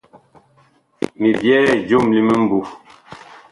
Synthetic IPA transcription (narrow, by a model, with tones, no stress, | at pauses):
mi˨bjɛ˦˨d͡ʒu˦˨mli˦mə˦m̩˦bu˨